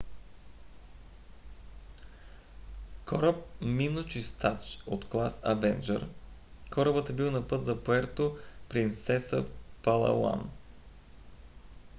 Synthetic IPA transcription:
kɔɾəp̚minut͡ʃist̪at͡ʃot̪klˠasɐvɛnd͡ʒə̰ɾ | kɔɾəbət̪ɛbilˠnɐpɤt̪zɐpoɛɾt̪opɾint̪sɛsəfpɐlˠɐ̰la̰n

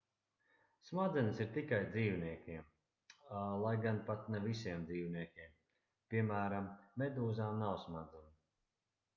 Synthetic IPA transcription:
smad̪zɛnəsiɾt̪ikajd̪ziːwniɛkʲiɛm | lˠajɡanpat̪nɛvisiɛmd̪ziːwniɛkʲiɛm | pʲiɛmæːɾamːed̪uːzaːmnawsmad̪zɛn

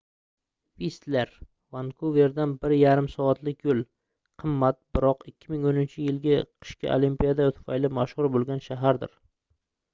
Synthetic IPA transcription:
vist̪leɾ | vankʰuveɾd̪anbɪɾjaɾɪmsɒat̪lɪkʲjolˠ | qʰɨmːat̪̚bɪɾɒqɪkʲːɪmɪŋonɪnt͡ʃʰɪjɪlɡʲaqʰɨ̥ʃkʲa̰ʔolimpijad̪at̪ʰʊ̥fa̰jlɪmaʃhʊɾbolˠɡʲanʃaɦaɾd̪ɪ̰ɾ

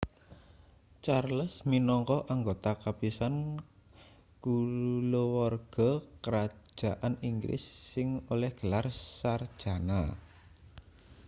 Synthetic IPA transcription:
t͡ʃarləsminɔŋkɔʔaŋɡot̪akapisan | kulowɔrɡ̥ɔ̤kəɾḁʒ̥a̤ʔaniŋɡɾʔɪ̰sːɪŋolɛhɡ̥ə̤larsard̥ʒ̥a̤na

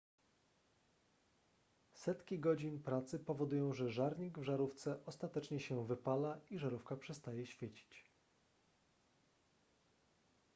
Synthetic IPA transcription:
sɛt̪kʲiɡɔd͡ʑinpɾat̪sɘpɔvɔd̪ujɔ̃w̃ʐɛʐaɾɲiɡvʐaɾuft̪sɛʔɔst̪at̪ɛt͡ʂɲɛɕɛvɘpalaiʐaɾufkapʂɛst̪ajɛɕfʲjet͡ɕi̥t͡ɕ

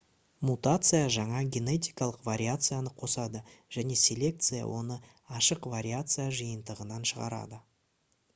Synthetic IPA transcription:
mut̪at̪sɨjaʒɑɴɑɡʲe̞ne̞t̪̬ʲijkɑlˠəqvaɾʲiat̪sɨjanəqʰo̞sɑd̪əʒ̥æne̞sʲe̞lʲe̞k̚t̪sɨja̰wo̞nə | ɑʃəqvaɾʲiat̪sɨjaʒəjənd̪əʁənɑnʃəʁɑ̰ɾɑ̰d̪ə

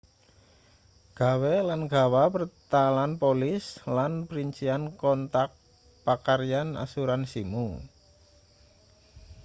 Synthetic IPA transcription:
ɡ̥a̤welanɡ̥a̤wapərt̪alanpolɪslanpəɾiɲt͡ʃiankɔnt̪ak̚ | pakaɾjana̰suɾansimu

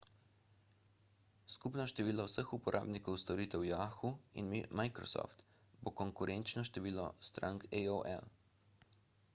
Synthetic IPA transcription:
skupnɔʃt̪ɛʋiːlɔwsəxupɔɾʔa̰ːbnikɔwst̪ɔɾiːt̪ɛwjaːxuḭnmimajkɾɔ̰sɔ̰ft̪ | bokɔŋkuɾʔɛnt͡ʃnɔʃt̪ɛʋiːlɔ̰st̪ɾa̰ŋkɛoʔɛ̰l

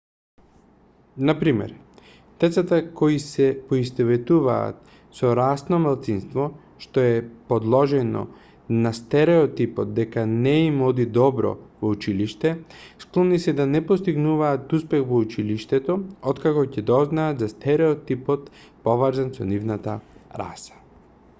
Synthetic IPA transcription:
napɾimɛ̰ɾ | d̪̥ɛt̪sat̪akɔisɛpɔist̪ɛvɛt̪uva̰ːt̪̚ | sɔɾasnɔmalˠt̪sinst̪vɔ | ʃt̪ɔɛpɔd̪lˠɔʒɛnɔ̰ | nast̪ɛɾɛɔt̪ipɔt̪̚d̪ɛkanɛimɔd̪id̪ɔbɾɔ̰vɔut͡ʃiliʃt̪ɛsklˠɔnisɛd̪anɛpɔst̪iɡnuvaːt̪uspɛxvɔut͡ʃiliʃt̪ɛt̪ɔɔt̪kakɔcɛd̪ɔznaːt̪zast̪ɛɾɛɔt̪ipɔt̪ | pɔvaɾzansɔnivnat̪aɾa̰sḁ

